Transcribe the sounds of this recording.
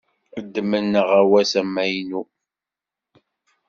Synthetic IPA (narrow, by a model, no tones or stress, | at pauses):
əd̪ːəmənːəʁawæsæmæjnu